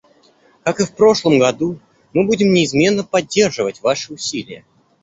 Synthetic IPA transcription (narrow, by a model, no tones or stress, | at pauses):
kakɨfpɾo̞ʂlˠəmɡɐd̪u | mɨbudʲɪmnʲɪːzmʲe̞nːəpɐdʲːe̞rʐɨvətʲvaʂɨʊsʲilʲɪjə